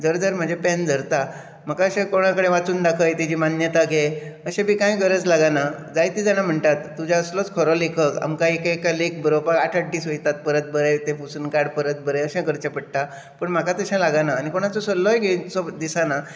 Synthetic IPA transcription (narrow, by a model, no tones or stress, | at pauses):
d͡zəɾd͡zəɾm̤əd͡ʑʱepɛ̃nd͡zʱəɾt̪a | m̤əkaəɕẽkoɽ̃ãkəɽeʋat͡suːnd̪akʰəjt̪id͡ʑimanjət̪aɡe | əɕẽbiːkãjɡəɾət͡slaɡanad͡zajt̪id͡zanam̤əɳt̪at̪ːud͡ʑaəslɔt͡skʰɔɾɔlekʰəka̰mkaekakalek̚bəɾopaaʈʰaʈʈːiːsʋəit̪at̪̚pəɾət̪̚bəɾət̪ẽfusunkaɽpəɾət̪̚bəɾəəɕãkəɾt͡ɕãpəɽ̚t̪a | pəɳm̤akat̪əɕãlaɡanaːñikoɽ̃at͡sɔsəlːɔjɡesɔd̪isana